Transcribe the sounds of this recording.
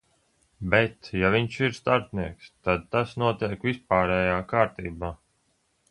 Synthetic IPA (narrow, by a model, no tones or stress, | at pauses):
bɛt̪javʲiɲʃiɾst̪aɾt̪niɛkst̪ad̪̚t̪asnuɔt̪iɛkvʲisp̚aːɾɛːjaːkaːɾt̪iːbaː